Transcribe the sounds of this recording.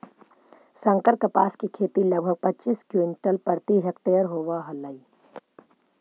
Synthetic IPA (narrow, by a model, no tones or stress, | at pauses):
sə̃ŋkəɾkəpaːskikʰeːt̪iləɡ̚bʱəɡ̚pɐtːt͡ʃiːskjuɪnʈəlpəɾt̪iɦekʈejəɾɦoːʋaɦɐlːaiː